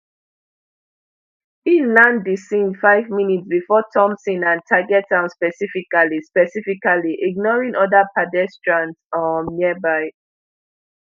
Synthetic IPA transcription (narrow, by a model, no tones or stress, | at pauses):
ĩnlãndisĩndfaɪvminitsbifɔtʰɔ̃msĩnãntʰaɡɛtãʊ̃nspɛsifikalispɛsifikaliʔiɡ̚nɔɹĩŋʔɔdapadɛstɹãntsɔnːibaɪ